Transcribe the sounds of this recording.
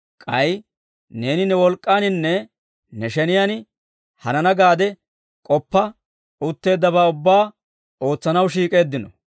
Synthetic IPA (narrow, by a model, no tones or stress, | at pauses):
kʼɐj | ne̞ːnɪnɛwɔlkʼːaːnɪnːɛ | nɛʃɛnɪjan | hɐnɐnɐɡaːd̪ɛ | kʼɔpːɐ | ʊt̪ːe̞ːd̪ːɐbaːʊbːaː | o̞ːt͡sːɐnɐwʃiːkʼe̞ːd̪ːɪnɔ